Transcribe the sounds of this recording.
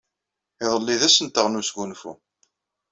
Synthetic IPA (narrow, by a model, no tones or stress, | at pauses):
ɪðˤəlːiðæsənt̪əʁnusɡunfṵ